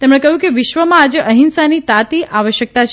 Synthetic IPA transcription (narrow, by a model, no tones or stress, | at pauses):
t̪emɽ̃ekəɦjũkeʋɪʃʋəmãːd͡ʒeʔəɦinsanit̪at̪iʔaʋəʃjək̚t̪at͡ʃʰ